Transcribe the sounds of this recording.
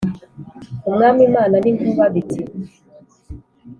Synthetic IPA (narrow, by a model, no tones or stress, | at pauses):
uŋamimananiŋɡuvaviti